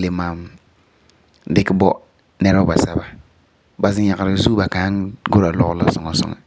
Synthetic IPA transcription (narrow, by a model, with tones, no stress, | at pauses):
le˦maː˨˦m | dɪ˦kɪ˦bɔ˦ | nɛ˦ɾa˦ba˨sa˨ba˨ | ba˨zɪ˦ɲa˨ka˨ɾɪ˨zu˦ba˨ka˨˦ŋɡʊ˦ɾa˨lɔ̰˨ɣla˦sɔ˨ŋɔ˨sɔ̰˦ŋa̰˨